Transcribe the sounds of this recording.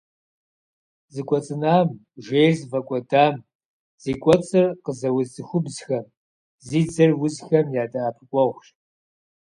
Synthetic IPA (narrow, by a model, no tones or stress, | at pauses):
zɨkʷʼɔt͡sʼɨnaːm | ʒejrzvɐkʷʼɔdaːm | z̥iːkʷʼɔt͡sʼɨrqəzɐwʊzzɨxʷʊbzxɐm | ziːd͡zɨrwʊzxɐmjaːdʼaːpʰɨkʷʼɔʁʷʃ